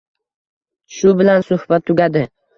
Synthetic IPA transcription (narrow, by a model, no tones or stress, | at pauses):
ʃʊbɪlansʊhb̥at̪ʰːʊɡʲad̪ɪ